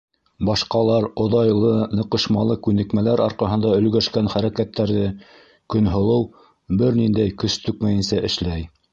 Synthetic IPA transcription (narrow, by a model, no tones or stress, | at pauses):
bɑʃqɑlˠɑɾŏðɑjlˠɤnɤ̆qɤ̆ʃmɑlˠɤkʉnɘ̆kmælæɾɑɾqɑɦɤ̆nd̪ɑɵ̆lɡæʃkænχæɾækæt̪ːæɾðɘ | kɵ̆nɦŏlˠɤw | bɘɾnind̪æjkɵst̪ɵkmæjɘ̆nsæʔɘ̆ʃlæj